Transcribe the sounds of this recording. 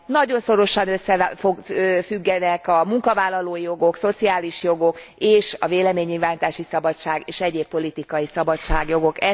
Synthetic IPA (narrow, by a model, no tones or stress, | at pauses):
nɒɟo̞nso̞ɾo̞ʃɒnøsːɛofyɡːɛnɛkɒmuŋkɒvaːlːɒloːijo̞ɡo̞kso̞t̪siaːliʃjo̞ɡo̞keːʃɒ̰veːlɛmeːɲːilvaːnt̪aːʃisɒbɒt͡ʃaːɡeːʃɛɟeːppo̞lit̪ikɒjisɒbɒtt͡ʃaːɡjo̞ɡo̞kɛ